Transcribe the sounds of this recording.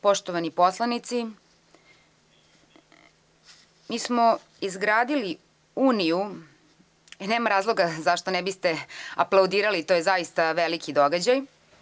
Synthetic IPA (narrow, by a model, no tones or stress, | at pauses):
po̞ʃt̪oʋaniposlˠanit̪si | miːsmo | izɡɾaːd̪ili | uːniju | neːmaɾaːzlˠo̞ɡazaʃt̪onɛbist̪eaplˠawd̪iːɾalit̪ojezaist̪aʋelikid̪oɡad͡ʑaj